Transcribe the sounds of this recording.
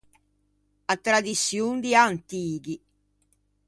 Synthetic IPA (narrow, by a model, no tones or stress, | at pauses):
at̪ːɾad̪it̪sːjund̪iant̪iːki